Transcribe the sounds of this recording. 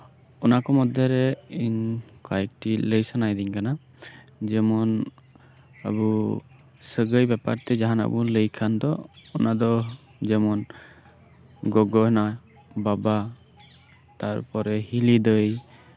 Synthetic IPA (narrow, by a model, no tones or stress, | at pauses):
ɔnakɔmɔd̪ʱjɔɾɛiɲ | kajk̚ʈiləjsanajd̪iɲkana | d͡ʒɛmɔn | ə̰bu | səɡəjbɛpa̰ɾt̪ɛd͡ʒaɦana̰buləjkʰand̪ɔ̰ɔnad̪ɔ | d͡ʒɛmɔn | ɡɔɡɔɦna | baba | t̪aɾpɔɾɛhilid̪əj